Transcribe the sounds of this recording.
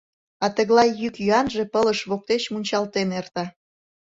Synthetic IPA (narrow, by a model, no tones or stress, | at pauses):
ɑt̪ə̆ɣlɑjːykjyɑnʒepələʃβok̚t̪et͡ɕmunʲt͡ɕɑlt̪enert̪ɑ